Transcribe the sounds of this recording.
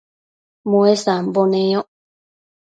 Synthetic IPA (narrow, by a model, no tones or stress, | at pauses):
mũesambonẽõ